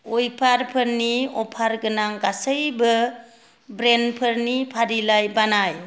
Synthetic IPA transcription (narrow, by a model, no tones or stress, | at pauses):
ujpʰaɾpʰəɾniɔpʰaɾɡɯnaŋɡasəjbɯ | bɾenpʰəɾnipʰaɾilajbanaj